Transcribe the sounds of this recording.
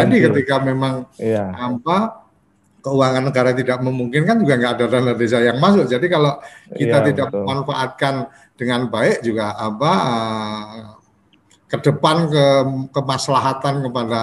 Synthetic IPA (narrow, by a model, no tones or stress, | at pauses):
adikət̪ikamemaŋapa | kəuwaŋanːəɡaɾat̪idaʔməmuŋkɪnkand͡ʒuɡaŋɡaʔːdadanədes̬ajaŋmas̬ʊʔ̚d͡ʒadikaloʔkit̪at̪idaʔməmanfa̰ʔat̪̚kan | d̥əŋanbaɪk̚d͡ʒuɡaːpaə | kədəpankəkəmaslaɦat̪ankəpada